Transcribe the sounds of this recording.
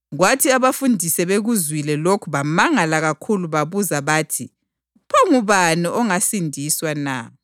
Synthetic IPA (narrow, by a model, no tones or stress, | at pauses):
ɣwatʰiaβafundʱisɛβeɣuzwilɛlokʰuβamaŋalaɣakʰuluβaβuzaβaːtʰi | pʰɔŋuβanɔʔɔŋasindʱiswana̰